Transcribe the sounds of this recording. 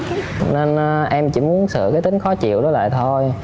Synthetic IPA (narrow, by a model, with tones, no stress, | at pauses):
ne˧nː˨ʔɛ˧mt͡ɕḭ˧˥mu˨˦ənsɨ̰˧˨kaː˨˦jt̪ï˨˦ŋ̟xɔ˨˦t͡ɕḭ˧˨əwɗɔ˨˦la̰ː˧˨jt̪ʰo˧j